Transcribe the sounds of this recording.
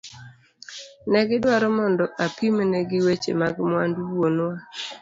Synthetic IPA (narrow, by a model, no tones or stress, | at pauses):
nɛɡɪdwaɾɔmɔndɔʔapimnɛɡɪwet͡ʃḛmaɡmwanduwonwa